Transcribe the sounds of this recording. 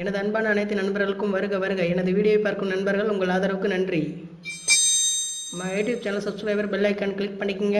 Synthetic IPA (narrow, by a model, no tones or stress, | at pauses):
ɛnɐðɯɐnbaːnɐːnɐɪt̪ːɪnɐnbɐɾɣɐɭɯkːɯmʋɐɾɯɣɡɐʋɐɾɯɣɡɐɛnɐðɯʋiːɽɪjoːpːaːɾkɯmnɐnbɐɾɣɐɭʊŋɡɐɭaːðɐɾɐʋɯkːɯnɐndri | majuːʈjuːb̚t͡ʃɐnɐlsɐpsʋɐɪbɐɾbɛlːɐɪkːɐːɳkɪɭɪk̚pɐɳːɪkːɯŋɡɐ